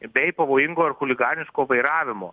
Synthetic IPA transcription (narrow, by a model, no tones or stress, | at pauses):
bʲɛɪpɐʋoːjɪŋɡoːɪɾxʊlʲɪɡɑːnʲɪʃkoːʋɐɪɾɑːʋʲɪmo̰ː